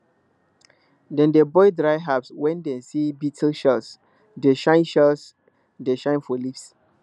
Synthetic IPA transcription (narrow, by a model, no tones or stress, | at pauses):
dɛ̃ndebɔɪdɹaɪɦapswɛ̃ndɛ̃nsibitʰlʃɛls | deʃãɪ̃nʃɛls | deʃãɪ̃nfɔlifs